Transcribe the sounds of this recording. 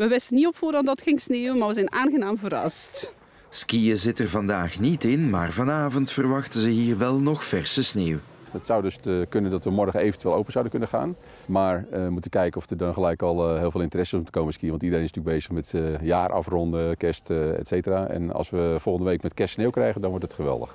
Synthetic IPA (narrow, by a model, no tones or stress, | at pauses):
ʋəʋɛstənːiɔpfʊːɾɑndɔtxɪŋsneːwəmaːrʋəzɛjnaːnɣənaːmvəɾɑ̰st | skiəzɪtərvɑndaːxnitɪnmaːrvɑnaːvɔntfərʋɑxtəzəɦiːrʋɛlˠnɔxfɛrsəsneːw | ətsawdøskønəndɔtʋəmɔrɣəejvəntyʋɪlowpənz̥awdənkønəχa̰ːn | maːɹmutənkɛjkənɔfdədɔnxəlɛjkɔlˠɪːlˠveːlˠɪntərɛsəmutə̥koːməskiəʋɑntidərẽnɪsntyːk̚bejzəxmɛtjaːrʔɑ̰frɔndəkɛstɛ̰tseːtəraːɛ̰nɑ̰lˠsʋəfɔlˠɣəndəʋejkmɛtkɛstsneːwkrɛjɣəndɔnʋɔɹtətχəʋɛ̰lˠdə̰x